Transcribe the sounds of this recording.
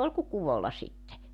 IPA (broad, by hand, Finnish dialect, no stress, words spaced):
ol ku kuʋolːɑ sitːe